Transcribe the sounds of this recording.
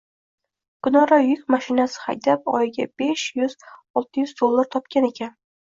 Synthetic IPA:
kʊnɒɾajʊkʲmaʃɪnasɪ̥ha̰jt̪ʰap̚ɒ̰jɪɡʲab̥eʃjʊzɒlˠt̪ʰɪjʊzd̪o̞lˠːaɾt̪ʰɒp̚kʲʰane̞kʲʰan

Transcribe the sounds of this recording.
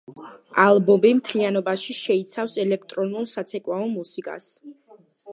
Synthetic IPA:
alˠbɔmbimt̪ʰlianɔbaʃiʃɛit̪sʰafsɛlɛk̚ʰt̪ʼɾɔnulˠsat̪sʰɛkʼwaɔmusikʼa̰s

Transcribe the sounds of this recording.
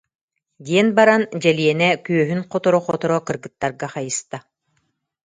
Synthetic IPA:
d̪iɛnbaɾand͡ʑɛliɛnɛkyœɦynqɔt̪ɔɾɔχɔt̪ɔɾɔkɯɾɡɯt̪ːaɾɡaχajɯst̪a

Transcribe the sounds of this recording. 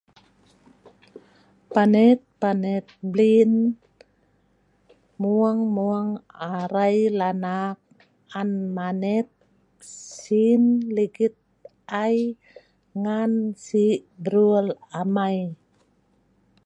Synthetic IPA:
panɛt̪̚panɛt̪̚blin | muaŋmuaŋaɾajlanak̚ | anmanɛt̪̚ | sinliɡit̪̚ | aj | ŋansibɾuəlamaj

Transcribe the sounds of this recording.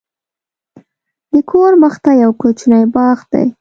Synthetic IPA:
d̪əkʰoɾməxt̪ajawkot͡ʃnajbɑɣd̪a̰j

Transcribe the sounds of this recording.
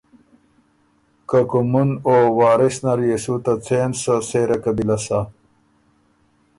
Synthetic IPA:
kɐkumunoːwaːɾesnɐɾjesut̪at͡seːnsəseːɾɐkɐbilasa

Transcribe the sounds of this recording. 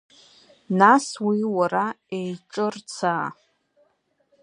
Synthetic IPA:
naswiwara | ejʈ͡ʂʼɨrt͡sʰaː

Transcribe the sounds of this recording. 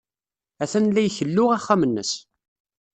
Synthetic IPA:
æθænlːæjçəlːʊʁæχːæmənːə̰s

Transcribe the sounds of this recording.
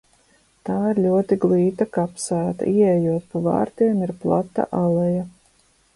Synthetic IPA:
t̪aːiɾlʲuɔt̪iɡlˠiːt̪akapsæːt̪a̰ʔiɛɛjuɔt̪̚pava̰ːɾt̪iɛmiɾplˠat̪ːa̰ʔalˠɛja

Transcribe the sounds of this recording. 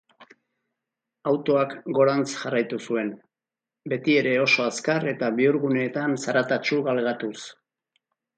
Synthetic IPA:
awt̪o̞akɡo̞ɾant͡sʝarajt̪usue̞n | be̞t̪ie̞ɾe̞o̞so̞askare̞t̪aβiuɾɣune̞ːt̪ansaɾat̪at͡ʃuɣalɣat̪us

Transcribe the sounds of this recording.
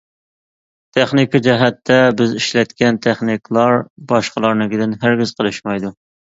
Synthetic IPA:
t̪ʰɛχnɪkʰɑd͡ʒɛɦɛt̪ʰːɛbɪziʃlɛt̪kʲɛnt̪ʰɛχnɪkʰlˠɑɾbɑʃqəlˠɑɾnɨɡʲɪd̪ɪnɦɪɾɡʲɪz̥qʰəlˠɨʃmɑjd̪u

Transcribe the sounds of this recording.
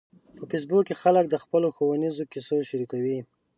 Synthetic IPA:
pəfes̬bukːexalək̚d̪əxpəloxowanizokisoʃaɾikawi

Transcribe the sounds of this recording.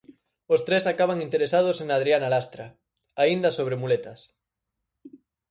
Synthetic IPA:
ost̪ɾesakaβ̞aŋint̪eɾesað̞osenað̞ɾianalast̪ɾa | aind̪ɐsoβ̞ɾemulet̪ɐs

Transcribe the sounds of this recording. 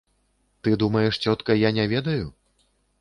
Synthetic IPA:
t̪ɨd̪umɐjɛʂt͡sʲɔt̪kɐjanʲɛvʲɛd̪ɐju

